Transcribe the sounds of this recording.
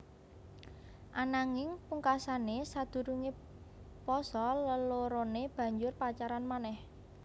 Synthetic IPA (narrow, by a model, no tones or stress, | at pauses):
ʔanaŋɪŋpuŋkasanesad̪̥ṳɾuŋe | pɔsɔləloɾoneb̥ä̤ɲd͡ʒʊrpat͡ʃaɾanmanɛh